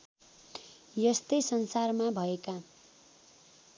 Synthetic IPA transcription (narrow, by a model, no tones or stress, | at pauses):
jʌst̪ʌjsʌnsarmabʱʌeka